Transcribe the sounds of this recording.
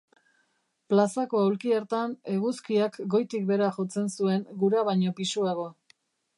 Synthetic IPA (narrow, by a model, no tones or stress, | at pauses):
plasako̞awlkieɾt̪ane̞ɣuskiakɡo̞jt̪ik̚be̞ɾaʝo̞t͡se̞nsue̞ŋɡuɾaβajɲo̞pisuaɣ̞o̞